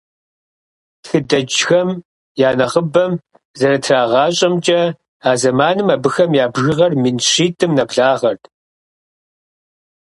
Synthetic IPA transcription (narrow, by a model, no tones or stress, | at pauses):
txɨdɐd͡ʒxɐm | jaːnɐʁəbɐm | zɐɾɐtʰraːʁɑːɕʼɐmt͡ʃʼɐ | aːzɐmaːnɨmɐbɨxɐmjaːbʒɪʁɐrminɕiːtʰʼɨmnɐpɮaːʁɐrt